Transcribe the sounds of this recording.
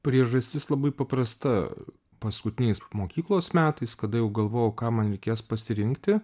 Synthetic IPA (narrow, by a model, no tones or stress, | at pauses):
pʲɾʲiɛʒɐsʲt̪ʲɪslˠɐbɐɪpɐpɾɐst̪ɐ | pɐskʊt̪ʲɪnʲɛɪsmoːkʲiːklˠoːsmʲæːt̪ɐɪskɐd̪ɐjɛʊɡɐlˠʋoːjɛʊkɑːmɐnɾʲɛɪkʲeːspɐsʲɪɾʲɪŋkt̪ʲɪ